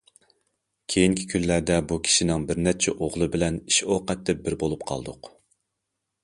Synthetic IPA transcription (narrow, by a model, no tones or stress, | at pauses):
kʲʰejiŋkʲʰi̥kʲʰynlæd̪ɛbukʲʰi̥ʃinɪŋbɪɾnɛt͡ʃʰɛʔoʁlˠɨbɪlɛniʃoqɛt̪ːɛp̚bɪɾbolˠup̚qʰɑ̰lˠd̪ʊq